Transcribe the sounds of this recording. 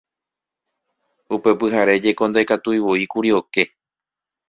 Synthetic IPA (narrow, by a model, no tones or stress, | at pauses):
upe̞pɨɦaɾe̞d͡ʒe̞ko̞nd̪aekat̪uiwoikuɾio̞ke̞